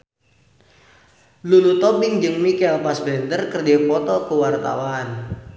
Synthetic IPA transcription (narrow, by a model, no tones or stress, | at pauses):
lulut̪ɔbɪŋd͡ʒɨŋmikɛlpasbɛnt̪ərkərdipɔt̪ɔkəwart̪a̰wan